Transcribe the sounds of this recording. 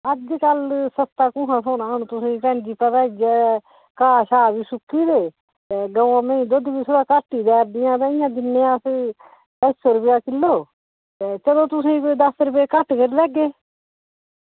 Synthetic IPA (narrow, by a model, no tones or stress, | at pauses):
əd͡ʒd͡ʒkəlsəst̪aːkʊ̃ɦãːsoːnãːnũːt̪ʊsĩːʈɛ̃ːɳd͡ʒiːpət̪aːid͡ʒɛː | kaːʃaːbiːsʊkʰːiːd̪eː | t̪eɡəʋãːmə̃ĩːd̪od̪ibiːsʰʊɾaːkaʈːiːd̪ɛːɾd̪ɪjãːt̪ãːɪjãːd̪ɪnːeːãs | əsoɾʊpjaːkɪlːoː | et͡ʃəlõːt̪ʊsĩːd̪əsɾʊp̬eːkəʈkəɾilɛːɡeː